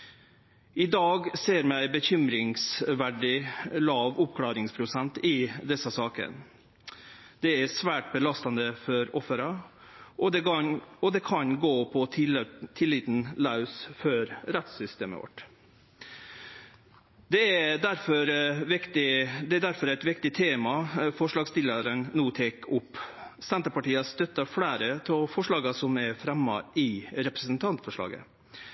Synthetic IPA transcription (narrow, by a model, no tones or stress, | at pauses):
ɪd̪ɑːɡseːɾmæɪbəçʏmɾɪŋsʋæɖɪlɑːʋʊp̚kʰlɑːɾɪŋspʰɾʊsɛnt̪ɪd̪ɛsəsɑːkə̰n | d̪̥ɛæsʋæːʈ̚bəlɑst̪ɑnd̪əfɔɾɔfːəɾɑ | ɔɔd̪ɛkʰɑnɡoːpʰɔt̪ʰɪlːɪt̪n̩lɑʉsfœɾɾɛt̪sʏst̪ḛːmə̰ʋɔ̰ʈ | d̪̥ɛæd̪æɾfɔɾʋɪkt̪ɪd̪ɛæd̪æɾfɔɾæɪt̪ʋɪkt̪ɪt̪ʰeːmɑfɔʂɭɑːɡst̪ɪləɾənnuːt̪ʰeːkʊpːsɛnt̪əɾpɑʈiːɑst̪œt̪ːɑfɽæːɾət̪ʰɔlfɔʂɭɑːɡɑsɔmæɾfɾɛmːɑ̰ʔɪɾɛpɾəsənt̪ʰɑnt̪fɔʂɭɑ̰ːɡə̰